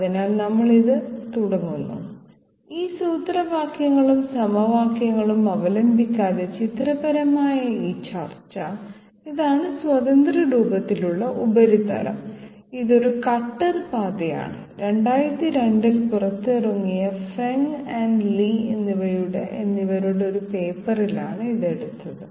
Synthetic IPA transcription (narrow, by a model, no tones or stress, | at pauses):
ɐðinaːlnɐmːɐɭiðɨt̪uɽɐŋːunːṵ | iːsuːt̪rɐbʱaːkʰjɐŋːɐɭumsɐmɐʋaːkjɐŋːɐɭumɐʋɐlɐmbʱikʲːaːðɐt͡ɕit̪rɐbɐɾɐmaːjɐiːt͡ɕa̰ːrt͡ɕːɐ | iðaːɳɨswɐðɐnd̪rɐɾuːbɐt̪ːiluɭːɐʔubɐɾit̪ɐ̰lɐ̰m | iðo̞ɾukɐʈːɐrpaːd̪ɐja̰ːɳɨ | ɾe̞ɳɖaːjɾt̪ːiɾe̞ɳɖilpurɐt̪ːɨrɐŋːijɐfeŋɐɳɖliḛnːiʋɐɾuɽḛʔenːiʋɐɾuɽeo̞ɾupe̞ːpːɐrila̰ːɳɨiðe̞ɽut̪ːɐðɨ